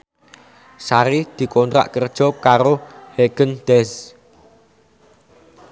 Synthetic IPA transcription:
saɾɪhd̪̥i̤kont̪ɾa̰ʔkərd̥ʒ̥ɔ̤kaɾoheɡ̥ə̤nd̪̥ɛs

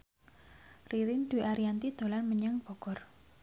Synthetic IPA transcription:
riɾɪnd̪̥ṳʔaɾiant̪id̪̥o̤lanməɲaŋb̥ɔ̤kɔr

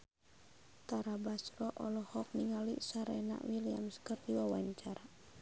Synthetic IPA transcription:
t̪aɾabasrɔʔɔlɔhɔk̚niŋalḭʔsaɾɛna̰ʔwilia̰mskərd̪iwawaɲt͡ʃaɾa

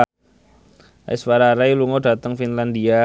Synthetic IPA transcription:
ʔisfaɾaɾajluŋod̥a̤t̪əŋfinland̪ia

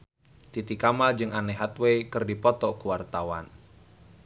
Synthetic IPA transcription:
t̪it̪ikamad͡ʒɨŋanɛɦat̪weikɨrdipɔt̪ɔkuwart̪awa̰n

